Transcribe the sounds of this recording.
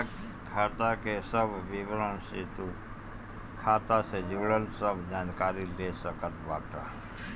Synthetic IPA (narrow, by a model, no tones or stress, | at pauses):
kʰat̪akesəbʋiʋɾə̃nset̪u | kʰaːt̪ased͡ʒuːɽəlsəbʱd͡ʒaːnkaːɾilesəkət̪baːʈa